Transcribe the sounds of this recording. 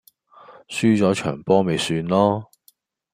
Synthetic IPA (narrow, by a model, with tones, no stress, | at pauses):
syː˥t͡sɔː˨˥t͡ʃʰœ̰ː˨˩ŋpɔː˥me˨˧jsyː˧nlɔː˥